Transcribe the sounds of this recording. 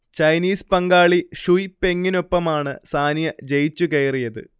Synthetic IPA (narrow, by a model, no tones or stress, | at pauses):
t͡ɕɐjniːspɐŋɡaːɭiʂujpe̞ŋːino̞pːɐmaːɳɨsaːnjɐd͡ʑejt͡ɕːukejrijɐðɨ̰